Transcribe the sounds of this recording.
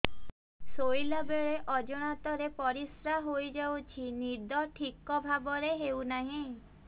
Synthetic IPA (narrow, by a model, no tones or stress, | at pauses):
sojlabeɭeʔɔd͡ʒɔɽ̃at̪ɔɾepɔɾisɾaɦojd͡ʒawt͡ʃʰinid̪ʱɔʈʰikɔbʱabɔɾeɦewnaɦĩ